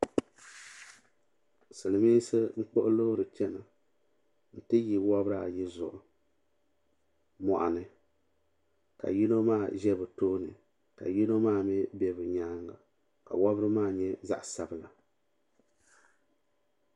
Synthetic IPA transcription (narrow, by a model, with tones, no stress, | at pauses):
sɨ˨lɨ˨mi˦sɨ˦ŋ͡m̩˦k͡po˦ʔʊ˦lo˦ɾɨ˨t͡ʃɛ˦na˨ | n̩˨tɨ˦ji˨wa˦bɾa˦a˨ji˦zʊ̰˨ʔʊ˨ | mɔ˨ʔa̰˨nɨ˨ | ka̰˨ji˦no˦maː˦˨ʒɛ˦bɨ˨toː˦nɨ˨ | ka̰˨ji˦no˦maː˦˨mɛ˦bɛ˨bɨ˨ɲaː˦ŋɡa̰˨ | ka̰˨wa˦bɨ˦ɾɨ˦maː˦˨ɲɛ˦za̰˦ʔsa˦bɨ˨la˨